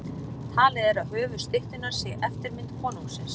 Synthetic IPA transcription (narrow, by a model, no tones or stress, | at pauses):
t̪ʰaːlɪðɛɾaðɦœːvʏ̥st̪ɪht̪ɪnaɾ̥sjɛɣʔɛft̪ɪɾmɪnt̪kʰɔːnuŋksɪns